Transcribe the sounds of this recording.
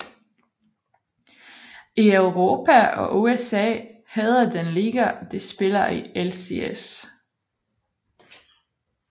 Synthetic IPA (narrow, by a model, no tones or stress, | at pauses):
iøʊʁo̝ːpʰæɒ̽ʔoesɛ̰ːhɛð̞ˠɐd̥enliɡ̥ɐd̥e̝sb̥e̝lɐielsḛes